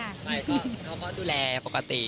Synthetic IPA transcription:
a˥˩pa˧jkʰa˦˥wkɔː˥˩duː˧lɛː˧pa˨˩kːa˧t̪i˨˩

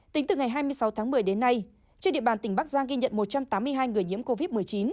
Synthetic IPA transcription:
t̪ï˨˦ŋ̟t̪ɨ˨˩ŋa˨˩jɦaː˧jmɨ˧əjsa˨˦wt̪ʰaː˨˦ŋmɨ˨˩əjɗe˨˦nːa˧j | t͡ɕi˧ɗḭ˧˨ɓaː˨˩nt̪ï˩ŋ̟ɓa˦˥k̚zaː˧ŋɣi˧ɲə̰˧˨nmo˨˩t̚t͡ɕa˧mt̪aː˨˦mːɨ˧əjɦaː˧jŋɨ˨˩əjɲi˧˥əmko˧vi˦˥t̚mɨ˨˩əjt͡ɕi˨˦n

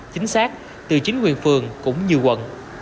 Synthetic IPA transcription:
t͡ɕï˨˦ŋ̟saː˦˥k̚ | t̪ɨ˨˩t͡ɕï˨˦ŋ̟kwḭ˨˩ənfɨ˨˩əŋkʊ̰˧˥ŋ͡mɲi˨˩əwkwə̰˧˨n

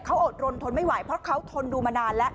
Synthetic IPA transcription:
kʰa˦˥wʔoː˨˩t̪̚ɾo˧nt̪ʰo˧nma˥˩jwa˨˩˦jpʰɾɔ˦˥kʰa˦˥wt̪ʰo˧nduː˧maː˧naː˧nlɛ˦˥ʔ

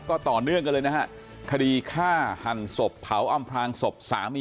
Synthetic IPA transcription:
kɔː˥˩t̪ɔː˨˩nɯ˥˩əŋka˧nlɤː˧jna˦˥a˦˥ʔ | kʰa˧diː˧kʰaː˥˩ha˨˩nso˨˩pʰːa˩˦wʔa˧mpʰɾaː˧ŋso˨˩p̚sa̰ː˩˦mːi˧

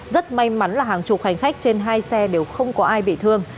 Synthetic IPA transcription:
zə˦˥t̚ma˧jma˨˦nlaː˨˩ɦaː˨˩ŋt͡ɕʊ˨˩k͡p̚ha˨˩jŋ̟xa˦˥jk̟̚t͡ɕe˧nɦaː˧jsɛ˧ɗe˨˩wxə˧wŋ͡mkɔ˨˦ʔaː˧jɓḭ˧˨t̪ʰɨ˧əŋ

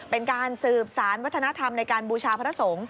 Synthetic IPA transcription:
pe˧nkaː˧nsɯː˨˩p̚saː˩˦nwa˦˥t̪ʰːna˦˥t̪ʰa˧mna˧jkaː˧nbuː˧t͡ɕʰaː˧pʰa˧ɾa˦˧˩so˩˦ŋ

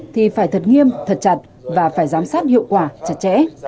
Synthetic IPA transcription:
t̪ʰi˨˩faː˧˩jt̪ʰə˨˩t̚ŋi˧əmt̪ʰə˨˩t̚t͡ɕa˨˩t̚ | vaː˨˩faː˧˩jzaː˨˦msaː˦˥t̚hḭ˧˨əwkwaː˧˩t͡ɕa˨˩t̚t͡ɕɛ̰˧˥

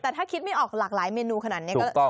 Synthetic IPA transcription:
t̪ɛː˨˩t̪ʰaː˥˩kʰi˦˥t̪̚ma˥˩jʔɔː˨˩k̚laː˨˩k̚laː˩˦jmeː˧nuː˧kʰa˧naː˨˩ni˦˥˦kɔ˥˩˥

